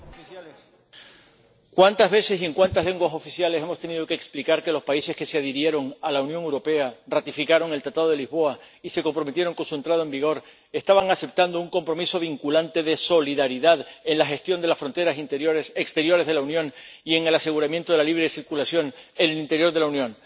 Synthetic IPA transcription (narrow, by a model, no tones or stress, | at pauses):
kwant̪azβe̞se̞sie̞ŋkwant̪aɦle̞ŋɡwaso̞fisjale̞se̞most̪e̞nið̞o̞keːksplikaɾke̞lo̞spaise̞ske̞seaðeɾje̞ɾo̞ŋalaunjoŋewɾo̞pe̞arat̪ifikaɾo̞ŋe̞lt̪ɾat̪aðo̞ð̞e̞lizβo̞a | ise̞ko̞mpɾo̞me̞t̪jeɾo̞ŋkonsue̞nt̪ɾað̞oe̞mbiɣ̞o̞ɾ | e̞st̪aβaŋase̞p̚t̪and̪ouŋko̞mpɾo̞miso̞β̞iŋkulant̪e̞ðe̞so̞liðaɾiðaðe̞nlaxe̞st̪jo̞nd̪elasfɾo̞nt̪e̞ɾasint̪eoesekst̪e̞ɾjo̞ɾe̞zðelaunjõ̞ŋie̞ŋe̞lase̞ɣuɾamjent̪o̞ðe̞laliβ̞ɾe̞siɾkulasjo̞ŋe̞nelint̪e̞ɾjo̞ɾðe̞launjõ̞ŋ